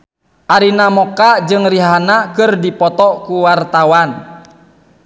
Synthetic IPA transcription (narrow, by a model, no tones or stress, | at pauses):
ʔaɾinamɔkad͡ʒɨŋriɦanakɨrdipɔt̪ɔkuwart̪awan